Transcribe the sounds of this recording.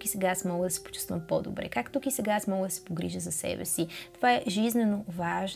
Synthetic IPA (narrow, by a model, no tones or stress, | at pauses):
kisɛɡaasmɔɡləd̪ɐsɛ̥po̥t͡ʃu̥st̪vəmpɔd̪o̰bɾɛ̰kakt̪ukisɛɡaasmɔɡləd̪ɐsɛ̥poɡɾiʒəzɐsɛ̰bɛ̰sit̪ovaɛʒiznɛnovaʒ